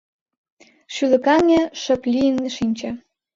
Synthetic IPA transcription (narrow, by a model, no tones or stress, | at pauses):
ʃylɘ̆kɑnʲeʃə̆plʲijənʃinʲt͡ɕĕ